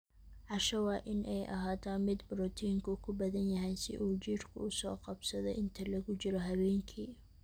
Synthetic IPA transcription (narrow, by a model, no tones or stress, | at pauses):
ʕɑʃɐwɑːʔɪnʔɛjʔɐ̰ɦaːt̪ʰaːnmɪd̪bʊɾɔt̪ʰiːŋkʰʊkʰʊbɐðɐnjɐɦɛjsɪ̰ʔuːt͡ʃirkʰʊ̰ʊsɔːqɑbsɐðɔʔɪnt̪ʰɐlɐɣʊt͡ʃɪɾɔɦɐβɛːŋkʰiː